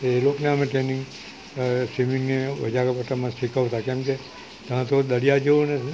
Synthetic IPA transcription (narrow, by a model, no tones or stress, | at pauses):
elokneəmeʈɾenĩŋɡ | simiŋɡneʋə̰d͡ʒakapəʈamãʃikəʋt̪akɛ̃mke | t̪ãt̪od̪əɽijad͡ʒoone